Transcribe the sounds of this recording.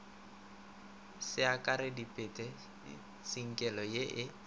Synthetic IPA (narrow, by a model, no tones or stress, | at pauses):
sɪakʼaɾɪdipʼɪtʼɛ | siŋ̩kʼɛlɔjeʔɪ